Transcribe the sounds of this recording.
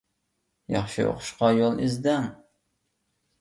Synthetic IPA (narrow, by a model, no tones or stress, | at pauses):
jɑ̰χʃio̰qʰʊ̥ʃqɑjolˠɪzd̪ɛŋ